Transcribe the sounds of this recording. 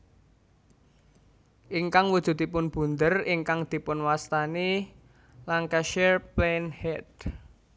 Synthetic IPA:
ʔiŋkaŋwud̥ʒ̥ṳd̪̥i̤pʊnb̥ṳnd̪əriŋkaŋd̪̥i̤pʊnwast̪ani | laŋkaʃɛrplenhɛd̪

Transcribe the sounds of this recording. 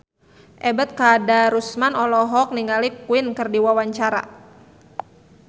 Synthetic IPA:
ʔɛbət̪̚kadaɾusmanɔlɔɦɔk̚niŋɡalikuinkɨrdiwawaɲt͡ʃaɾa̰

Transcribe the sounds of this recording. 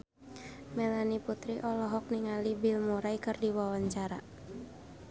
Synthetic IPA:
mɛlaniput̪ɾiʔɔlɔɦɔk̚niŋalibilmuɾaikɨrdiwawaɲt͡ʃaɾa̰

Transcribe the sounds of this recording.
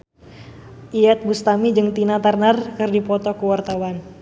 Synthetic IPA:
ʔiat̪̚bust̪amid͡ʒɨŋt̪inat̪arnarkɨrdipɔt̪ɔkəwart̪awan

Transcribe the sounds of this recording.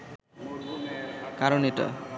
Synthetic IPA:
kaɾoniʈə̰

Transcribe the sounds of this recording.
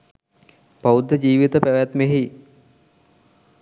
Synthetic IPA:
paud̪ːəd͡ʑiːʋit̪əpæʋæt̪meɦi

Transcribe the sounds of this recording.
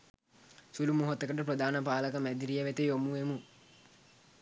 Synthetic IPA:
sulumuɦot̪ːəkəʈəpɾəd̪aːnəpaːləkəmæd̪iɾijəʋet̪ejomuemu

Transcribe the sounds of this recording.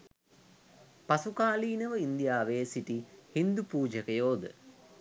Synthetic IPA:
pasukaːliːnəʋəind̪ijaːʋeːsiʈihind̪upuːd͡ʒəkəjoːd̪ə̰

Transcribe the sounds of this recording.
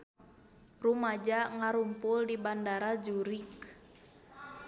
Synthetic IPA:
rumad͡ʒaŋaɾumpʊldibandaɾad͡ʒuɾik̚

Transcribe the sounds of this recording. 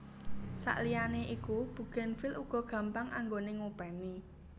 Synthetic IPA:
sa̰ʔlijaneʔikub̥ṳɡ̥ɛ̤nfɪluɡ̥ɔ̤ɡ̥ä̤mpaŋʔaŋɡoneŋupɛmi

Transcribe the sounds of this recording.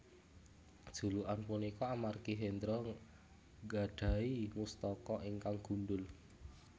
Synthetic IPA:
d̥ʒ̥ṳluʔanpunikɔamarkiɦend̪ɾɔ | ɡa̤ɖ̥a̤imust̪ɔkɔʔiŋkaŋɡ̥ṳnɖʊl

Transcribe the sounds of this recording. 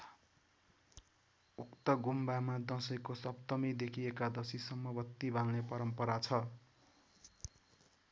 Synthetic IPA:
ukt̪ʌɡumbamad̪ʌ̃sʌjkosʌbt̪ʌmid̪ekʰiekad̪ʌsisʌmːʌbʌt̪ːibʱalnepʌɾʌmpʌɾat͡sʰʌ

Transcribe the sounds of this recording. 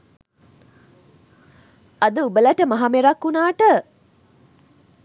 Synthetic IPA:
ɐd̪əubəlæʈəmaɦameɾakːunaːʈə

